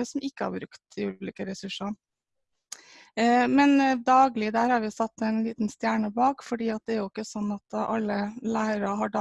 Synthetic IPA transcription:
əsɔmɪkːəɑ̰ɾbɾʉkt̪ɪʉːliːkəɾɛsʉʂɑ | mɛnd̪ɑːɡlɪd̪æːɾhɑɾʋɪsɑt̪ːɛɪnliːt̪nst̪jæːɳəbɑːkfɔɖiːɑt̪̚d̪ɛæɾjʊɪkːəsɔnːɑt̪ʔɑ̰lːəlæɪəɾɑɦɑɖɑ

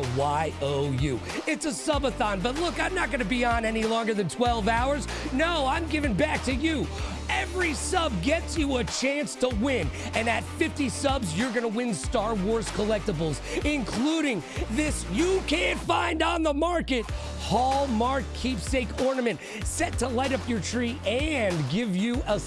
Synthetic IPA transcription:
waɪʔoʊjʉ | ɨtsəsʌbəθɑ̃nbʌtˡlʊkãɪ̃mnət̚ɡ̥ʌnɨbiə̃nɛnilɔ̃ŋɡə˞ðɨ̃ntʰw̥ɛlˠvaʊə˞z | noʊãɪ̃mɡɪvɪ̃ŋbæk̚tʰɨjɨ | ɛvɹisʌb̚ɡɛtsjɨət͡ʃʰæ̃nstʰəwɪ̃n | ɨ̃nɨtfɪftisʌbzjə˞ɡʌnəwɪ̃nstɑɹwɔɹz̥kʰəlɛk̚təbl̩ˠz̥ɪ̃nkʰl̥uɾɪ̃ŋðɪsjɨkʰæ̃ntfãɪ̃ndn̩ðəmɑɹkɨt̚ | hɔlˠmɑɹkʰipseɪkɔɹnɨmɨ̃nt | sɛtʰəlaɪɾʌpjə˞tʰɹ̥iʔɨ̃nɡɪvjɨʔə

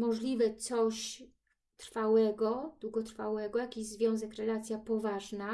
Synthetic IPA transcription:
mɔʐlʲivɛt̪sɔɕ | t̪ɾfawɛɡɔd̪̥wuɡɔt̪ɾfawɛɡɔjakʲiʑzvʲjɔ̃w̃zɛkɾɛlat̪sʲjapɔvaʐna

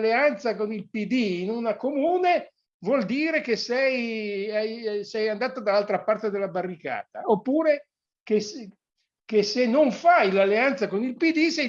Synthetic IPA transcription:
lːeant̪sakonilpid̪iːnunakomuːne | vwɔld̪iːɾek̟esɛjajsɛjand̪aːt̪ad̪alːalt̪ɾapart̪ed̪elːabarːika̰ːt̪aopːuːɾe | kes | kesenːoɱfajlalːeant̪sakonilpid̪isɛj

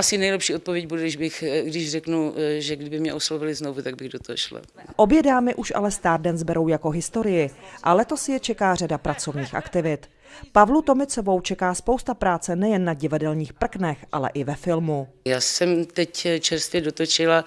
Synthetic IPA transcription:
asɪnɛjlɛpʃiːot̪povjɛɟ̚budɛɪʒbɪxɡdɪʃrɛknuʒɛɡdɪbɪmɲɛʔoslovɪlɪznovut̪aɡ̚bɪɣdot̪oɦoʃla̰ | ʔobjɛdaːmɪʔuʃʔa̰lɛst̪aːɾdɛnzbɛɾo̞wjako̞ɦɪst̪o̞ɾɪjɪʔalɛt̪o̞sjɛt͡ʃɛkaːr̝adapɾat͡so̞vɲiːxʔa̰kt̪ɪvɪt̪ | pavlut̪o̞mɪt͡so̞vo̞wt͡ʃɛkaːspowst̪apɾaːt͡sɛnɛjɛnːaɟɪvadɛlɲiːxpr̩knɛxʔa̰lɛ̰ʔɪvɛfɪlmujaːsɛmt̪ɛct͡ʃɛɾst̪vjɛdot̪ot͡ʃɪla

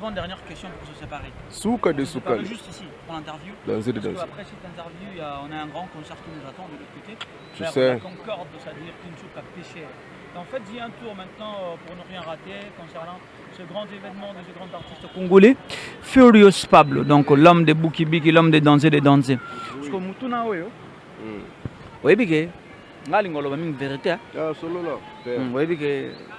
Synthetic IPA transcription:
vɑ̃d̪ɛʁnjɛʁkʲɛst̪jɔ̃puʁsəsepaʁesukad̪esukadʒysisipuʁlɛ̃t̪ɛʁvjud̪ɑ̰̃zed̪ed̪ɑ̃za̰pχɛsit̪ɛ̃t̪ɛʁvjuaɔ̃naɛ̃ɡʁɑ̃kɔ̃sɛʁkĩnuzat̪ɑ̃d̪əlot̪ʰəkot̪e | t̪ysɛkɔ̃kɔʁd̪sad̪iʁkynəsut̪kapeʃɛʁ | eɑ̃fɛt̪d̪iɛ̃t̪uʁmɛ̃t̪nɑ̃øpuʁnəʁjɛ̃ʁat̪ekɔ̃sɛʁnɑ̃ | seɡʁɑ̃zevɛnmɑ̃dɔ̃seɡʁɑ̃zaʁt̪ist̪kũŋɡolefyljospablə̰d̪ɔ̃klɔmd̪ebukibik̬ilɔmd̪ed̪ɑ̃zeded̪ɑ̃zeskomut̪unaojo | ojebike | ŋɡaliŋɡolobamĩŋveʁit̪eaasolola | ojebike

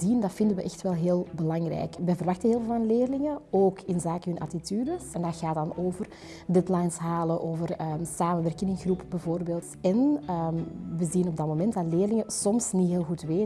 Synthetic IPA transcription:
zindɑtfɪndənʋəʔɛxtʋɛlˠɦeːlˠbəlɑŋrɛ̰jkʋəvərʋɑxtənɦeːlˠvlvɑnleːrlɪŋəoːkɪnzaːkəɦɵnʔɑ̰tityːdəsɛndɑɣaːtdɑnoːvər | dɛtlajnsɦaːlənʔoːvərəsaːmənʋɛrkənɪnxrupbɛvoːrbeːlˠtɛnəʋəzinɔb̚dɑtmomɛntdɑtleːrlɪŋəsɔmsniɦeːlˠɣutʋeː

